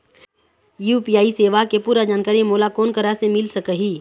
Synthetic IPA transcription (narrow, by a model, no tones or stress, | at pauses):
juːpiːaːiseːʋakepuːɾad͡ʒaːnkaːɾimoːlakɔːnkəɾasemɪlsəkəɦiː